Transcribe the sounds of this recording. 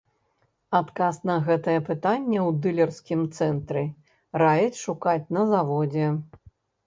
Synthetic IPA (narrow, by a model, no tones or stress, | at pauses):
at̪kasnɐɣɛt̪ɐjɐpɨt̪anʲːɛwd̪ɨlʲɛrskʲimt̪sɛnt̪ɾɨ | rajɐt͡sʲʂukat͡sʲnɐzavɔd͡zʲɛ